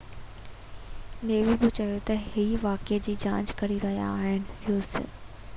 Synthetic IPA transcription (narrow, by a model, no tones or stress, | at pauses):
neːʋibɪt͡ɕɐjot̪ɐɦiʋaːked͡ʑiːd͡ʑãːɲd͡ʑkɐɾiɾɐɦija̰ːɦɪnɪ̆joːs